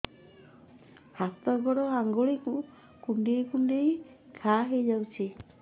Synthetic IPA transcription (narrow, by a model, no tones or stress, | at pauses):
hast̪ɔɡɔɽɔaŋɡoɭikũ | kuɳɖejkuɳɖejkʰaɦejd͡ʒawt͡ʃʰi